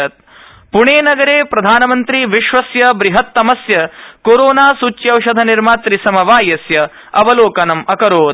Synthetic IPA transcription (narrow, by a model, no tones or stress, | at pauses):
ɐt̪̚ | puɳeːnɐɡɐɾeːpɾɐd̪ʱaːnɐmɐnt̪ɾiʋiʃʋɐsjɐbɾiɦɐt̪ːɐmɐsjɐkoɾoːnaːsut͡ʃːjɐwʃɐd̪ʱɐniɾmaːt̪ɾisɐmɐʋaːjɐsjɐ | ɐʋɐloːkɐnɐmɐkɐɾoːd̪